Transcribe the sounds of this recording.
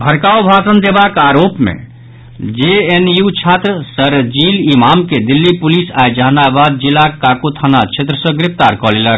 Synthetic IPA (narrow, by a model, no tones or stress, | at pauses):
bʱəɾkaobʱasənd̪ebakaɾopmḛ̃ | d͡ʒeenjut͡ʃʰat̪ɾəsəɾd͡ʒilimamked̪ilːipulisajd͡ʒaːnabad̪̚d͡ʒilakakut̪ʰanat͡ʃʰet̪ɾəsə̃ɡɾɪpt̪aɾkɔlelək